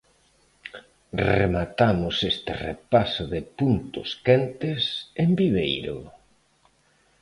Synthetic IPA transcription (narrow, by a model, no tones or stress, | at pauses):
remat̪amʊsest̪ɪ̰rḛpasʊðɪpunt̪ʊ̰skɛnt̪ɪsembiβejɾʊ̰